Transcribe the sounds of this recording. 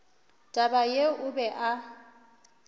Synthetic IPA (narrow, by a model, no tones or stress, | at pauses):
tʼabajeʊbɛʔa